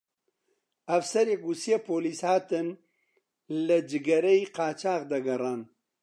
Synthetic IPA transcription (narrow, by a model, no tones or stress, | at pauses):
ɐfsɐɾjekusjepoːlishaːt̪ɨn | lɐd͡ʒɨɡɐɾɐjqaːt͡ʃaːqd̪ɐɡɐɾaːn